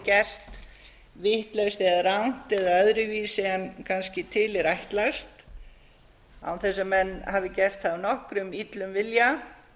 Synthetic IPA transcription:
cɛr̥t̪ | vɪht̪lœwst̪ɛaðrawn̥t̪ɛðaœðɾʏviːsɛankʰanscɪt̪ʰɪlɪɾajht̪last̪ | a̰wθɛs̬ːʏmːɛnːhavðɪcɛr̥t̪θavnɔhkɾʏmit̪lʏmvɪlja

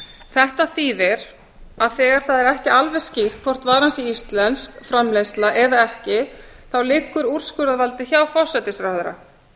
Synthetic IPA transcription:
θɛht̪aθiːðɪɾ̥ | aðθɛːɣaɾ̥θaðɛɾɛhcɪalvɛ̥scɪr̥t̪̚kʰvɔr̥t̪vaːɾansiist̪lɛnskfɾamlejst̪laʔɛðaɛhcɪθawlɪːkːʏɾur̥skʏɾðaðvalt̪ɪçaːwfɔ̥sɛt̪ɪst̪ɾawhðɾa̰

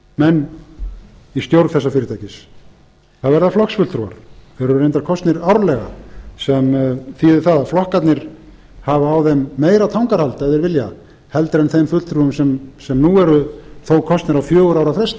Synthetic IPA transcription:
mɛnː | ist̪jowɾkθɛsːafɪːɾɪt̪ʰajcɪs | θaðvɛɾðaflɔksfʏlt̪ʰɾua̰ɾ̥ɛɾʏɾejnt̪aɾkʰɔst̪nɪɾawɾlɛɣa̰sɛmθiɪθaðaflɔhkat̪nɪɾ̥ | havaːwðɛmːeːjɾat̪ʰawŋkaɾ̥halt̪ɛðɛɾvɪlja | hɛlt̪ɾɛjnθejmfʏllt̪ʰɾuːʏmsɛmsɛmnuɛɾʏθowkʰɔst̪nɪɾawfjœːɣʏɾawɾafɾɛst̪a

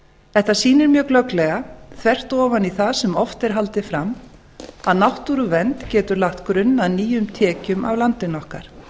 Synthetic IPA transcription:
ɛht̪asiːnɪɾmjœːklœklɛɣaθvɛr̥t̪ɔːvaniθaðsɛmɔft̪ɪɾ̥ɦalt̪ɪfɾam | aðnawht̪uɾʏvɛnt̪cɛːt̪ʏɾlaht̪kɾʏnːaniːjʏmt̪ʰɛːcʏmʔa̰vlant̪ɪnɔhka̰ɾ̥

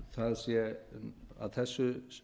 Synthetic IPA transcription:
θaðsjɛ | a̰ðθɛsːʏ

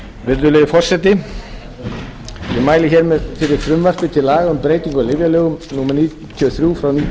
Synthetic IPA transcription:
vɪɾt̪̬ʏleːðɪfɔr̥sɛt̪ːɪ | imaːjlɪçɛːɾmɛðfɪɾɪɾ̥fɾʏmvar̥pɪt̪ʰɪlːaːɣaʏmpɾeːjt̪iŋkɔlɪvjalœːɣʏmnuːmɛɾniː | t̪ʰiɔθɾjufɾawniː

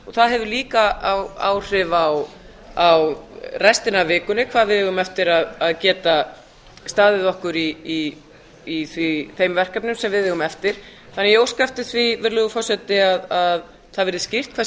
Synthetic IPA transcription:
ɔθaðɦɛvʏliːkaawa̰ːwr̥ɪvaw | awrɛst̪ɪnavɪːkʏnɪkʰvaːðvɪðɛːɣʏmɛft̪ɪɾaðaðcɛːt̪a | st̪aːðɪðɔhkʏɾiː | θviθejmvɛr̥kapnʏmsɛmvɪðhɛːɣʏmɛft̪ɪɾ̥ | θanɛjɛoːwskaft̪ɪθvivɪɾlʏɣʏfɔr̥sɛt̪ɪaðað | θaðvɪɾðɪscɪr̥t̪̚kʰva

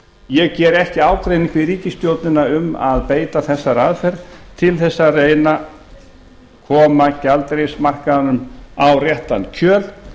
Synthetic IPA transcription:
jɛɣcɛːɾɛhcɪaːwkɾejnɪ̃ŋkvɪðɾiːcɪst̪jowt̪nɪnaʏma̰ðpeːjt̪aθɛsːaɾaðfɛɾt̪ʰɪlθɛsːareːjna | kʰɔːmacalt̪ɾejsmar̥kaanʏmawrjɛht̪ancʰœːl

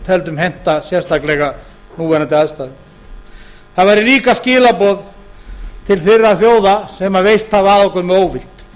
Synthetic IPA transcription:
t̪ʰɛlt̪ʏmɦɛn̥t̪asjɛɾ̥st̪ʰaklɛɣa | nuːvɛnat̪ɪaðst̪aðɪ | θaðvajɾɪliːkascɪːlapɔð | t̪ʰɪlθɪrːaθjoːwðasɛmavejst̪havaðɔhkœɾmɛoːwvɪlt̪

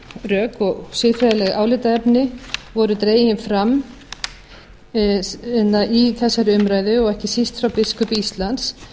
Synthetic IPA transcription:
rœːkɔɣsɪfɾaðalɛɣaːwlɪt̪aɛpnɪvɔɾʏt̪ɾeːjɪnfɾam | ɛnaʔiθɛsːaɾʏmɾaːjðʏɔɣɛhcɪsist̪fɾawpɪskʏpist̪lant̪s

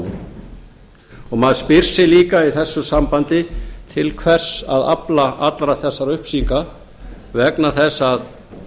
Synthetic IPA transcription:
ɔɣmaðspɪɾ̥sɪliːkaiθɛsːʏsampant̪ɪt̪ʰɪlkʰvɛr̥saða̰plaʔat̪lɾaθɛsːaɾʏhpsiŋka | vɛknaθɛsːað

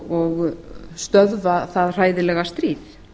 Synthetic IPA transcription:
ɔɣst̪œðvaθaðr̥aːjðɪlɛɣast̪ɾiːð

